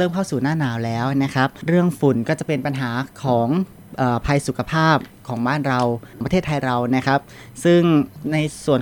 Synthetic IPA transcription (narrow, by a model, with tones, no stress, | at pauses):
ɤː˥˩mkʰa˥˩wsuː˨˩naː˥˩naː˧˩wlɛː˦˥wna˦˥kʰɾa˦˥p̚ɾɯ˥˩əŋfu˩˦nkɔː˥˩t͡ɕa˨˩pe˧npa˧nɦaː˩˦kʰɔː˩˦ŋ | ʔɤː˨˩pʰa˧jsu˨˩˦kʰa˧pʰaː˥˩p̚kʰɔː˩˦ŋbaː˥˩nɾa˧wpa˧t̪ʰeː˥˩t̪ʰa˧jɾa˧wna˦˥kʰɾa˦˥p̚ | sɯ˥˩ŋna˧jsu˨˩ən